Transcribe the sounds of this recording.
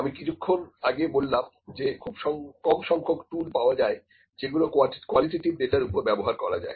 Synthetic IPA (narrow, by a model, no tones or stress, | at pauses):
amikit͡ɕʰukʰːonaɡebolːam | d͡ʑekʰubʃɔŋkɔmʃɔŋkʰokʈulpaoad͡ʑae | d͡ʑeɡulokkwaliʈeʈibɖeʈaɾupoɾbɛboɦaɾkɔ̰ɾa̰d͡ʑa̰e